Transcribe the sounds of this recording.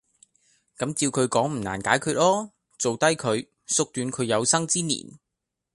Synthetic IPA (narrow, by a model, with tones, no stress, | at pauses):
kɐ˨˥mt͡siː˧wkʰɵ˨˧ɥkɔː˨˥ŋm̩˨˩na̰ː˨˩nkaː˨˥jkʰyː˧t̚lɔː˥ | t͡so˨wt̪ɐ˥jkʰɵ˨˧ɥ | sʊ˨k̚t̪yː˨˧nkʰɵ˨˧ɥjɐ˨˧wsɐ˥ŋt͡siː˥nḭ˨˩n